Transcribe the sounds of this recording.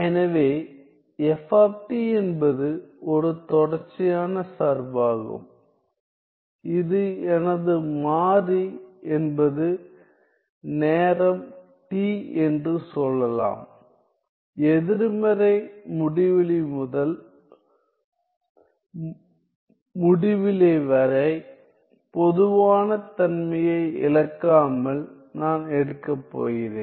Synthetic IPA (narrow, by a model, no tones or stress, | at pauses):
ɛnɐʋeː | ɛfaːp̚ʈiɛnbɐðɯɔɾɯt̪ɔɽɐɾt͡ʃːɪjaːnɐsaɾbaːɣɯ̰m | ɪðɯɛnɐðɯmaːriɛnbɐðɯ | neːɾɐm | ʈiːɛndrɯsɔlːɐla̰ːm | ɛðɪɾɯmɐɾɐɪmʊɽɪʋɪlɪmʊðɐl | mʊɽɪʋɪleːʋɐɾɐɪ | pɔðɯʋaːnɐt̪ɐnmɐjɐɪɪ̰lɐkːaːmɐl | naːnɛɽɯkːɐpːo̰ːɣɪɾḛːn